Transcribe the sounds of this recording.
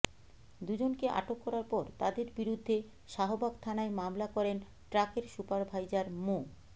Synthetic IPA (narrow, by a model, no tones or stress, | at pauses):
d̪ud͡ʑonkeʔa̰ʈokːɔɾaɾpɔɾt̪ad̪eɾbiɾud̪ʱːe | ʃaɦobaɡt̪ʰanaemamlakɔɾen | ʈɾakeɾʃupaɾbʱajd͡ʑaɾmo